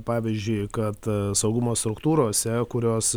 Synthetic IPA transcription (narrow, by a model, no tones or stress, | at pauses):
pɑːʋʲizʲd͡ʒʲʊɪkɐt̪sɐʊɡʊmoːst̪ɾʊkt̪uːɾoːsʲɛkʊɾʲoːs